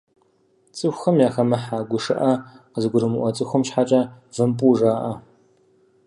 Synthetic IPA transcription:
t͡sʼɨxʷxɐmjaːxɐmɐħaːɡʷʊʂɨʔɐqəzɨɡʷʊɾɨmɨʔʷɔt͡sʼɨxʷʊmʃħat͡ʃʼɐ | vɨmpʼuːʐaːʔɐ

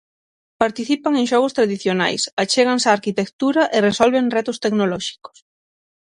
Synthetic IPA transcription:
paɾt̪iθipaŋeŋʃɔɣ̞ʊst̪ɾaðiθjona̰jsat͡ʃeɣ̞ansaːɾkit̪ekt̪uɾaʔɪresɔlβeŋrɛt̪ʊst̪eknolɔʃi̥ko̥s

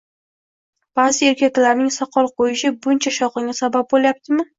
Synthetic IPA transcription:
b̥azɪe̞ɾkʲakʲlaɾnɪŋsɒqʰɒlˠqʰojɪʃɪbʊnt͡ʃʰaʃɒqɨŋʲasabap̚boljap̚t̪ʰɪmɪ

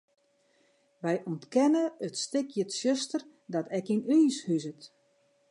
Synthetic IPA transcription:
ʋɛjʔɔntkɛnəətstɪkʰjətsøstər | dɔtɛkinyːshyzət

